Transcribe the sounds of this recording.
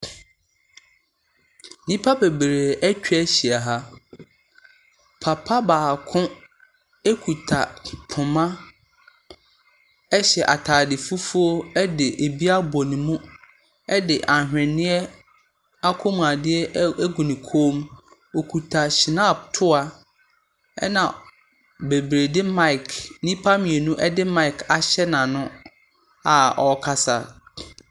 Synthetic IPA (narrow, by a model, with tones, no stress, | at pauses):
nĩ˦pʰa˦be˨bɾe˨ʔæ˦t͡ɕᶣʰæ˦ɕi˨a˨ɦa˦ | pʰa˨pʰa˦baː˨kʰʊ̃˦ | e˦kʰu˨tʰa˨pʰʊ̃˨mã˦ | ɛ˦ɕɛ˨ʔa˨tʰaː˨dɪ˨fu˦fu˦o˦ɛ˦dɪ˨ʔe˨bi˦a˦bo˨nĩ˨mũ˦ | ɛ˦dɪ˨ʔa˨ɦᶣɛ̃˨nɪ̃˦ɛ˦ | a˦kʰo˦mũ˨a˨dɪ˦ɛ˦ɡu˨nĩ˨kʰoː˦m | o˨kʰu˨tʰa˨ɕɪ˨nã˦˨b̚tʰʊ˦a˨ | ɛ˦nã̰˨ | be˨bɾe˨dɪ˦ma˦ɪ˨kʰnĩ˦pʰa˦mĩ˨e˨nũ˦ʔɛ˦dɪ˦mã˦ɪ˨kʰa˨ɕɛ˦nã˨nʊ̃˦ | a˨ɔ˨kʰa˦sa̰˨